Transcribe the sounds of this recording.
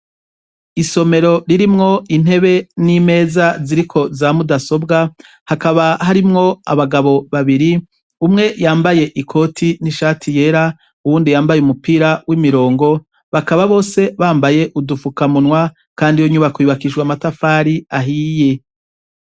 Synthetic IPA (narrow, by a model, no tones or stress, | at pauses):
iso̞me̞ɾo̞ɾiɾimŋo̞in̥he̞βe̞nime̞ːzaziɾikʰo̞zamudaso̞bɡa | hakaβaɦaɾimŋo̞a̰βaɡaβo̞βaβiɾi | umŋe̞jaːmbaje̞ʔikʰo̞tʰiniʃaːtʰije̞ɾa | uwuːndijaːmbajeumupiːɾawʔimiɾo̞ːŋɡo̞ | βakaβaβo̞ːse̞βaːmbaje̞ʔudufukamunwa | kaːndijoɲuβakwiːβakiʃɡwamatafaːɾiaɦiːje